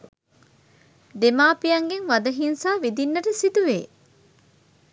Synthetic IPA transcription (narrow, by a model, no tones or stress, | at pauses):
d̪emaːpijɐŋɡeŋʋɐd̪ɐɦinsaːʋid̪inːɐʈəsit̪uʋḛː